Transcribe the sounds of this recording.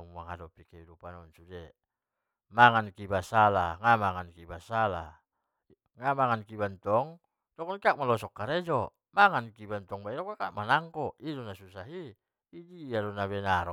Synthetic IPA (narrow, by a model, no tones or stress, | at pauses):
muaŋadɔpikɛidupanɔnsudɛ | maŋankibasalaŋamaŋankibasala̰ | ŋamaŋankibant̪ɔŋ | dɔkɔnkiak̚malɔsɔkːaɾɛd͡ʒɔ | maŋankibant̪ɔŋbaiɾɔkakaʔmanaŋkɔidɔnasusaɦiː | diadɔnaβɛnaɾɔ